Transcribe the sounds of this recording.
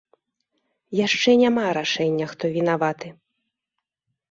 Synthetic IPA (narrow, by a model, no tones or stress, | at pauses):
jaʂt͡ʂɛnʲamaɾaʂɛnʲːɐxt̪ɔvʲinavat̪ɨ